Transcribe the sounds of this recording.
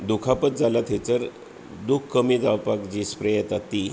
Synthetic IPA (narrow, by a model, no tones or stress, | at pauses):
d̪ukʰapət̪̚d͡zalat̪ʰet͡səɾ | d̪ukʰkəmid͡zaʋpakd͡ʑispɾejat̪at̪ːi